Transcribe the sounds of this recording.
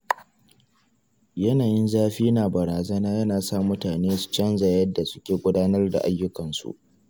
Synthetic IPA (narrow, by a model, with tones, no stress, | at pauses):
jɐ˦naː˨jɪ˦nzaː˦ɸiː˦naː˨bɐ˨ɾaː˨zɐ˦naː˦jɐ˦naː˨sa˦mːʊ˦taː˨neː˦su̥˨t͡ʃɐ˦nza˨jɐ˦dːa˨sʊ̥˦kʲeː˨ɡʷʊ˦daː˦nɐ˦rda̰˨ʔa˦jːʊ˦kɐ˨nsṵ˨ʔ